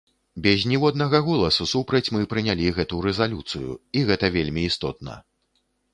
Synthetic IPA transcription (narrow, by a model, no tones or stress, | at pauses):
bʲɛzʲnʲiwɔd̪nɐɣɐɣɔlˠɐsusupɾɐt͡sʲmɨpɾɨnʲalʲiɣɛt̪uɾɛzalʲut̪sɨjṵiɣɛt̪ɐvʲelʲmʲiːst̪ɔt̪̚nɐ̰